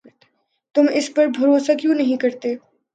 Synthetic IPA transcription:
t̪ʊmɪspɐɾbʱɐɾoːsakjũːnɐɦĩkɐɾt̪eː

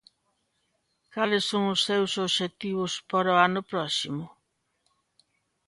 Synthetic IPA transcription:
kalɪsːoŋʊsːewsoβʃet̪iβʊspaɾoanʊpɾɔsimʊ

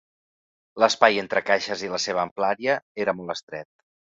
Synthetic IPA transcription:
ləspajent̪ɾəkaʃəziləseβ̞əːmplaɾiəeɾəmɔlˠtəst̪ɾɛt̪̚

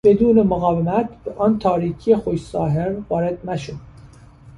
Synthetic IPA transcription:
b̥ed̪uːnemoɣɒːvemæt̪beʔɒːnt̪ʰɒːɾiːcʰijexoʃsɒːɦeɾnvɒːɾed̪næʃod̪̥

